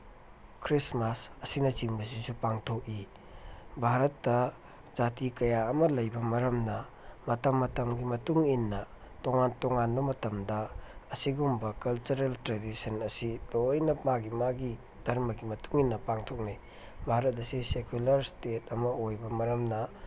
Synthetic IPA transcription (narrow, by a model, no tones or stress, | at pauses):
kʰɾismasɐsinɐt͡ʃiŋbɐs̬isupaŋtʰok̚i | bʱaɾɐtːɐ | zatikɐjaɐmɐlɐjbɐmɐɾɐmnɐ | mɐtɐmːɐtɐmɡimɐtuŋinːɐ | toŋantoŋanbɐmɐtɐmdɐɐsiɡumbɐkɐlt͡ʃuɾeltɾedisɐnɐsitojnɐmaɡimaɡi | d̥ʱɐɾmɐɡimɐtuŋinːɐpaŋtʰok̚ni | bʱaɾɐt̚ɐsisekulɐɾstet̚ɐmɐojbɐmɐɾɐmnɐ